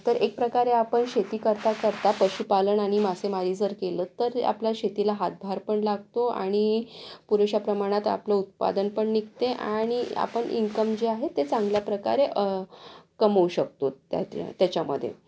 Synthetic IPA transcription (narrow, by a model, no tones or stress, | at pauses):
t̪əɾʔek̚pɾəkaɾeapəɳɕet̪iːkəɾt̪akəɾt̪apəɕupaləɳaɽ̃imasemaɾid͡zəɾkelət̪ːəɾa̰plaɕet̪ilaɦat̪̚bʱaɾpəɳlaɡ̚t̪oa̰ɽ̃ipuɾeɕapɾəmaɽ̃at̪a̰pləut̪̚pa̰d̪ənpəɳnik̚t̪eʔaɽ̃ia̰pəɳḭŋkəmd͡ʑeaɦet̪ːet͡sãŋɡljapɾəka̰ɾeʔəkəməuɕək̚t̪oa̰t̪t̪jat͡ɕamə̰d̪ʱːjḛ